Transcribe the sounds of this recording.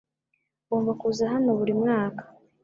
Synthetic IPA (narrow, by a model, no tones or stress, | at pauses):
βoːɱvakuːzaɦano̞βuɾimŋaːkḁ